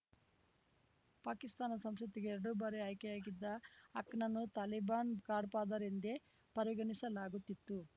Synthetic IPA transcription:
paːkist̪aːnɐsɐmsɐt̪iɡeɛɾɐɽubɐɾeɐːjkejaːɡid̪ːɐɐkɳɐnːut̪aːlibaːnɡaːɖpaːd̪ɐɾind̪e | pɐɾiɡɐɳisɐlaːɡut̪ːit̪ːu

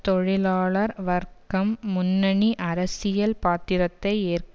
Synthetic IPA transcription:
t̪ɔɻɪlaːɭɐɾʋɐɾkɐmːʊnːɐɳiʔɐɾɐsɪjɐlpaːt̪ːɪɾɐt̪ːɐɪeːrk

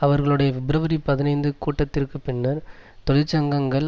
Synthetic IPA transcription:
ɐʋɐɾɣɐɭɯɽɐjɐʋɪbɾɐʋɐɾipɐðɪnɐɪnd̪ɯkuːʈːɐt̪ːɪrkɯpɪɳːɐɾt̪ɔlɪt͡ʃːɐŋɡɐŋɡɐɭ

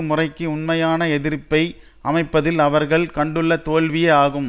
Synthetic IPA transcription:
ɯmʊrɐɪkːɯʊnmɐjaːnɐɛðɪɾpːɐɪ | ʔɐmɐɪpːɐðɪlɐʋɐɾɣɐɭkɐɳɖɯɭːɐt̪oːlʋɪjɐaːɣɯm

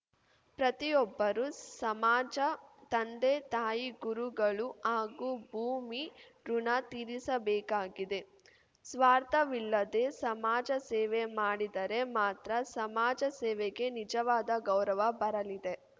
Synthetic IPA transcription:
pɾɐt̪ijɔbːɐɾusɐmaːd͡ʒɐt̪ɐnd̪et̪aːjiɡuɾuɡɐɭuaːɡubʱuːmi | ɾunat̪iɾisɐbɛːkaːɡid̪e̞ | sʋaːɾt̪ɐʋilːɐd̪e̞sɐmaːd͡ʒɐsɛːʋemaːɽid̪ɐɾe̞maːt̪ɾɐsɐmaːd͡ʒɐsɛːʋeɡe̞nid͡ʒɐʋaːd̪ɐɡɐwɾɐʋɐbɐɾɐlid̪e̞

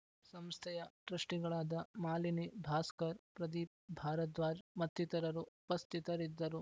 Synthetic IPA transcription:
sɐmst̪ʰɛjɐɖɾɐʂʈiɡɐɭaːd̪ɐmaːlinibʱaːskɐɾpɾɐd̪ipbʱaːɾɐt̪ʋaːd͡ʒmɐt̪ːit̪ɐɾɐɾuupɐst̪ʰit̪ɐɾid̪ːɐɾu

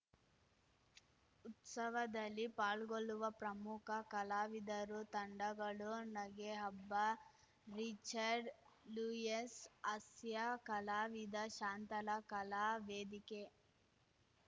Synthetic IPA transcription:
ut̪sɐʋɐd̪ɐlipaːɭɡoɭuʋɐpɾɐmukʰɐkɐlaːʋid̪ɐɾut̪ɐɳɖɐɡɐɭunɐɡeɦɐbːɐ | ɾit͡ʃɐɾɖlujesɐsjakɐlaːʋid̪ɐʃaːnt̪ɐlɐkɐlaːʋeːd̪ike

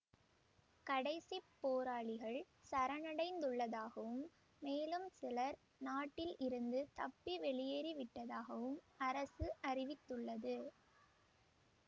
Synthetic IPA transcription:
kɐɽɐɪsipːoːɾaːɭɪɣɐɭ | sɐɾɐnɐɽɐɪnd̪ɯɭːɐðaːɣɐʋɯmː | eːlɯmsɪlɐɾ | naːʈːɪlʔɪɾɯnd̪ɯt̪ɐpːiʋɛɭɪjeːɾiʋɪʈːɐðaːɣɐʋɯmɐɾɐsɯʔɐrɪʋɪt̪ːɯɭːɐðɯ

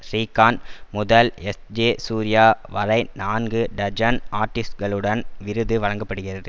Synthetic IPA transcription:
ɾiːkːaːnmʊðɐlɛsd͡ʒeːsuːɾɪjaːʋɐɾɐɪnaːnɡɯɖɐd͡ʒɐnaːɾʈɪsʈɡɐɭɯɽɐnʋɪɾɯðɯʋɐɻɐŋɡɐpːɐɽɯɣɪrɐðɯ

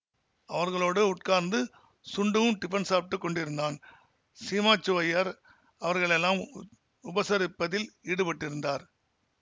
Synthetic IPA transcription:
ɐʋɐɾɣɐɭoːɽɯʊʈ̚kaːɾnd̪ɯ | sʊɳɖɯʋɯmʈɪpɐnsaːp̚ʈ̪ːɯkːɔɳɖɪɾɯnd̪aːn | siːmaːt͡ʃːɯʋɐjɐɾ | ɐʋɐɾɣɐɭɛlːaːm | ʊbɐsɐɾɪpːɐðɪliːɽɯpɐʈːɪɾɯnd̪aːɾ

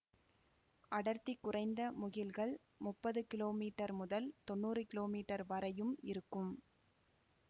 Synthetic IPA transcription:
ʔɐɽɐɾt̪ɪkːʊrɐɪnd̪ɐmʊɣɪlɣɐɭ | mʊpːɐðɯkɪloːmiːʈːɐɾmʊðɐlt̪ɔnːuːrɯkɪloːmiːʈːɐɾʋɐɾɐjɯmɪɾɯkːɯm

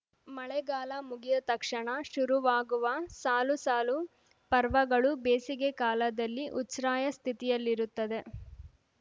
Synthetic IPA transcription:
mɐɭɛɡaːlɐmuɡid̪ɐt̪ɐkʂɐɳɐʃuɾuʋaːɡuʋɐsaːlusaːlu | pɐɾʋɐɡɐɭubeːsiɡe̞kaːlɐd̪ɐlːiʔutsɾaːjɐst̪ʰit̪ijɐlːiɾut̪ːɐd̪e̞

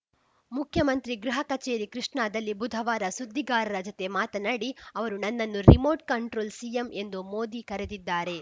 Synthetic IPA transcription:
mukʰjɐmɐnt̪ɾiɡɾuɦɐkɐt͡ʃeːɾikɾiʂɳaːd̪ɐlːibud̪ʱɐʋaːɾɐsud̪ʱːiɡaːɾɐɾɐd͡ʒot̪e̞maːt̪ɐnaːɽiɐʋɐɾunɐnːɐnːuɾimoːɾʈ̚kɐɳʈɾoːlsijeme̞nd̪umoːd̪ikɐɾed̪id̪ːaːɾe̞

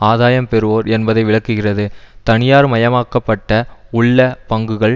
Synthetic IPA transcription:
aːðaːjɐmpɛɾɯʋoːɾɛnbɐðɐɪʋɪɭɐkːɯɣɪrɐðɯt̪ɐnɪjaːɾmɐjɐmaːkːɐpːɐʈːɐʊɭːɐpɐŋɡɯɣɐɭ

